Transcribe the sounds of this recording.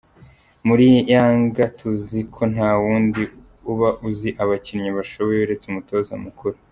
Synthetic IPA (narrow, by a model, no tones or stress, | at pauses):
muɾijaːŋɡatʰuzikʰo̞n̥haːwuːndi | uβaʔuziʔaβaciɾɲaβaʃoβo̞jeuɾe̞t͡seumuto̞ːzamukuɾu